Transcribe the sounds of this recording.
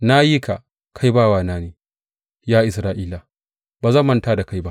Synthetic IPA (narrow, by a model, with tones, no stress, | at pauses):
na˦ji˦ka˨ | kʰa˦jbaː˦˨waː˦˨naː˦neː˨ | jaː˦ʔɪ˨sɾaː˦˨ʔiː˦la˨ | baː˨zɐ˦mːɐ˦˨ntaː˦da˨ka˦jba˦ʔ